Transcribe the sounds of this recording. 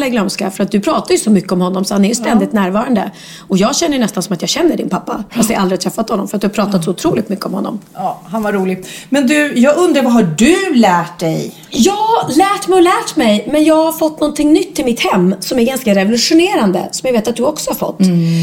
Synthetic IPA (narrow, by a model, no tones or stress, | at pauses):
lɛɡlœmska̰fœɾat̪̚d̪ɵpʰɾɑːt̪aɾjɵsɔmʏkːəɔmhɔnːɔmsɔhanɛɾjʏst̪ɛnd̪ɪt̪næːɾvɑːɾand̪ə̰ | ɔjɑːɡɕɛnːəjnɛst̪ansɔmat̪jɑːɡɕɛnːəɖɪ̰npʰapːa̰fɾat̪aʔald̪ɾɪat̪ʰɾɛfːat̪hɔnːɔmfœɾt̪d̪ɵhapʰɾɑːt̪at̪sɔʊt̪ʰɾuːlɪɡt̪mʏkːəɔmhɔnːɔ̰mː | hanvaɾuːlɪɡmɛnd̪ɵjɑːɡɵnd̪ɾavaɦaɖɵlæːʈ̚d̪ɛ̰j | jɑːlæːʈmɛjɔlæːʈmɛjmɛnjɑːɡhaɾfɔt̪ːnɔnt̪ʰɪŋnʏt̪ʰːɪlmɪt̪hɛmːsɔmæɾɡanskaɾɛvʊlɵʂʊneːɾand̪ə̰sɔmjaveːt̪at̪̚d̪ɵɔksɔhaɾfɔ̰t̪ː